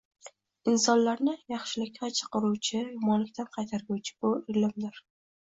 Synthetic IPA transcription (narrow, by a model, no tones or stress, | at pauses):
ɪnsɒnlaɾnɪjɑχʃɪlɪkʲːat͡ʃʰɨ̥qɨɾuwt͡ʃʰɪjɒmɒnlɪk̚ʲt̪ʰanqʰɑjt̪ʰaɾɡʲuwt͡ʃʰɪ̥bʊɪɾlɪmd̪ɪɾ